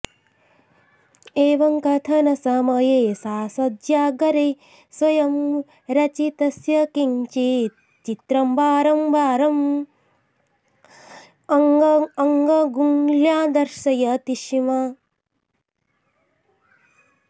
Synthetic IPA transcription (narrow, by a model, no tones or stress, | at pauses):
eːʋɐŋkɐt̪ʰɐnɐsɐmɐjeːsaːsɐd̪d͡ʒaːɡɐɾe | sʋɐjɐm | ɾɐt͡ʃit̪ɐsjɐkint͡ʃi | t͡ʃit̪ɾɐmbaːɾɐmbaːɾɐm | ɐŋɡɐɡuŋljaːd̪ɐɾʃɐjɐt̪iʃima